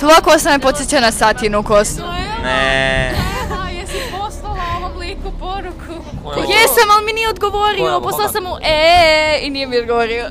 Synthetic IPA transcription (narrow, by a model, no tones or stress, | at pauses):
t̪oʋakosnanajepot̪sjet͡ɕanasat̪inukosnne | jesiposlalˠaomoblikupoɾukʰu | jesamalˠminijeod̪ɡoʋoɾioposlˠalasamuʔeinijemiod̪ɡoʋoɾio